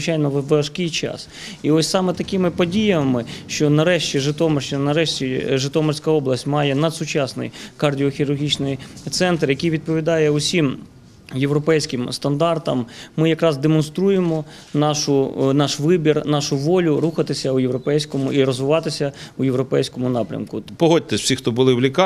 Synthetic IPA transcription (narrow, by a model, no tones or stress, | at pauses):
ɪt͡ʃajnɔʋɐʃkɪjt͡ʃɑ̰s | iɔsʲsɑmɛt̪ɐkɪmɪpɔdʲijɐmɪʃt͡ʃɔnɐɾɛʃt͡ʃʲiʒɪt̪ɔmɔrʃinɐɾɛʃt͡ʃʲiʒɪt̪ɔmɔrsʲkɐɔblˠɐsʲtʲmɑjɛnɐd̪sʊt͡ʃɑsnɪ̰jkɐrdʲiɔxʲiɾʊrɦʲit͡ʃnɪjt̪sɛnt̪rjɐkijʋʲid̪̚pɔʋʲid̪ɑjɛʊsʲim | jeʋɾɔpɛjsʲkɪmst̪ɐnd̪ɑrt̪ɐmːɪjɐkɾɑzd̪emɔnst̪ɾujemɔ | nɑʃʊnɑʃʋɪbʲirnɑʃʊʋɔlʲʊɾuxɐt̪ɪsʲɐujeʋɾɔpɛjsʲkɔmʊʔiɾɔzʋɪʋɑt̪ɪsʲɐujeʋwɾɔpɛjsʲkɔmʊnɑpɾʲɐ̰mkʊpɔɦɔd̚ʲt̪ɛsʲw̥sʲixt̪ɔbʊlˠɪwlʲik